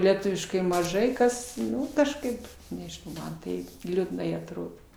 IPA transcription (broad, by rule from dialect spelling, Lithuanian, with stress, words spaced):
lʲɛˈtʊʋʲɪʃkɐɪ mɐˈʒɐɪ kɐs ˈnʊ kɐʃˈkɐɪp nʲɛʒʲɪˈnɐʊ ˈmɐn tɐɪp lʲʊdˈnɐɪ ɐtˈroːdoː